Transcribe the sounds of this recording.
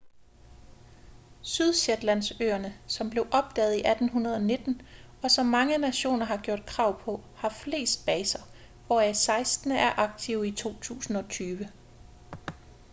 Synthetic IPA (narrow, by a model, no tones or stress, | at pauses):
syð̞ˠɕed̥læn̰sø̰ːɐnəsɒ̽mb̥le̝ʊʔɒ̽b̥̚d̥ɛ̰ːð̩ˠiʔæd̥n̩ɦunɐð̞ˠɒ̽ne̝d̥n̩ | ɒ̽sɒ̽mːɑ̈ŋənæɕo̝̰ːnɐɦɑ̈ɡ̥jo̝ɐd̥̚kʰʁɑ̈ʊ̰pʰɒ̽hɑ̈fle̝̰ːsd̥̚b̥ɛːsɐ | ʋɒæsɑ̈ɪsd̥nəʔæɐʔɑ̈ɡ̥t͡sʰiʊit͡sʰo̝̰ːt͡sʰṵːsn̩ɒ̽t͡sʰyːʋə